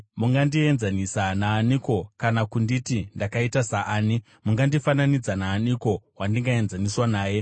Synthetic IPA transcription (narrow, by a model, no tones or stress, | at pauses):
muŋɡandie̞nzanisanaːniko̞kanakunditindakaitasaʔaːni | muŋɡandifananid͡zanaːniko̞wandiŋɡae̞nzaniswanaːje̞